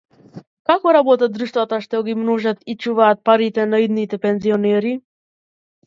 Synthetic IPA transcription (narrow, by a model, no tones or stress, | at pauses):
kakɔɾabɔt̪ad̪ɾuʃt̪vat̪aʃt̪ɛɡimnɔʒat̪it͡ʃuvaːt̪̚paɾit̪ɛnaid̪nit̪ɛpɛnziɔnɛɾi